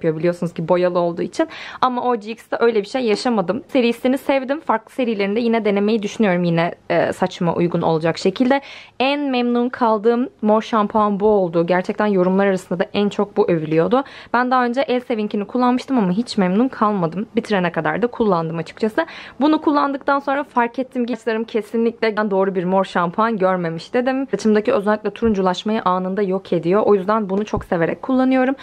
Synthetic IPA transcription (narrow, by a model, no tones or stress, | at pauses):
pʰjo̞bilʲijo̞sunuzɟibibo̞jalˠɯo̞lˠd̪uːit͡ʃʰinamaʔo̞d͡ʒiksd̪ɛʔøjlʲɛbiʃejːaʃamad̪ɯmse̞ɾist̪inisɛvd̪imfaɾklˠɯ̥se̞ɾijlʲe̞ɾind̪ɛjinɛd̪e̞ne̞me̞jid̪yʃynyjo̞ɾumjinɛsat͡ʃma̰ʔṵjɡuno̞̰lˠud͡ʒakʃe̞cʰilʲd̪ɛænmɛmnunkʰalˠd̪ɯːmːo̞ɾʃampʰanbuolˠd̪uːɟæɾt͡ʃʰɛc̚t̪ʰænjo̞ɾumlˠaɾaɾasɯnd̪ad̪aʔænt͡ʃʰo̞k̚buʔø̞vylʲijo̞d̪ʊb̥ænd̪aɦaø̞nd͡ʒɛʔɛlʲse̞viɲcʰinikʰulˠːanmɯʃt̪ʰɯmamaɦit͡ʃmɛmnunkʰalˠmad̪ɯmbit̪ʰiɾenɛkʰad̪a̰ɾd̪ɯkʰulˠːand̪ɯmat͡ʃʰɯ̥k̚t͡ʃʰasɯbunukʰulˠːand̪ɯk̚t̪ʰanso̞nɾafaɾkʰɛt̪ʰːimɟit͡ʃlˠaɾɯmcʰe̞sinlʲicʲlʲɛɟænd̪o̞ːɾubiɾmo̞ɾʃampʰanɟøɾme̞miʃt̪ed̪imt͡ʃʰɯmd̪aciøzɛlʲːiclʲɛt̪ʰuɾund͡ʒulˠaʃmajɯʔaːnɯnd̪ajo̞kʰed̪ijo̞ʔo̞jyzd̪ænbunut͡ʃʰo̞kse̞ve̞ɾɛ̰c̚kʰːulˠːanɯjo̞ɾum